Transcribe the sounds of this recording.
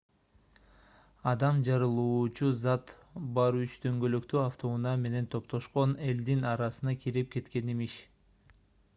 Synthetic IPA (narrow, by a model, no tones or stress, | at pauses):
ɑd̪ɑmd͡ʒɑɾɯlˠuːt͡ʃuzɑt̪ | bɑɾyt͡ʃt̪ø̞ŋɡø̞løkt̪yaft̪ʰo̞unɑme̞ne̞nt̪ʰo̞pt̪o̞ʃqo̞ne̞ld̪inɑɾɑsɯnɑkʰiɾip̚ke̞t̪ke̞nimiʃ